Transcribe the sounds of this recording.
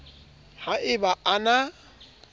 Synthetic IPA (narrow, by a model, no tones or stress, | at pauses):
haʔɪbaʔana